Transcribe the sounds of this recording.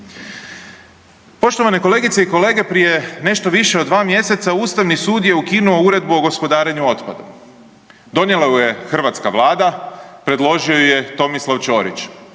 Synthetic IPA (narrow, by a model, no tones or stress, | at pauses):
po̞ʃt̪o̞ʋane̞ko̞le̞ːɡit̪se̞iko̞le̞ːɡe̞pɾije̞ne̞ʃt̪o̞ʋiʃeo̞d̪ʋaːmje̞se̞t̪sauːst̪aʋnisuːd̪je̞ukinuo̞uɾe̞d̪buo̞ɡo̞spo̞d̪aːɾeɲuo̞t̪pad̪ṵ | d̪o̞njelauje̞xr̩ʋat̪skaʋlˠaːd̪apɾe̞d̪lˠo̞ʒioje̞t̪o̞mislˠaʋt͡ʃo̞ːɾḭt͡ʃ